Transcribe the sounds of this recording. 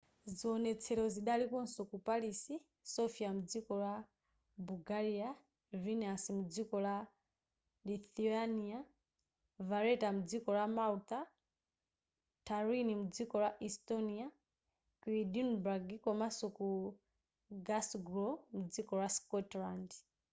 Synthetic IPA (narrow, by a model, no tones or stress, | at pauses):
ziɔnɛt͡sʰɛɾɔziɗalikɔn̩sɔkupalisi | sɔfiamud͡zikɔla | buɡaɾia | vinɛasimud͡zikɔla | liθiania | vaɾɛtamud͡zikɔlamalta | tʰaɾinimud͡zikɔlaʔistɔnia | kwidinbaɡikɔmasɔku | ɡasɡɾɔmud͡zikɔlwaskɔtlandi